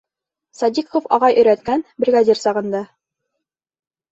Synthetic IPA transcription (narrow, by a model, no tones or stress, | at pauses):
sɑd̪ʲikofɒʁɑjʔɵ̆jɾæt̪̚kænbɾʲeɡad̪ʲiɾsɑʁɤ̆nd̪ɑ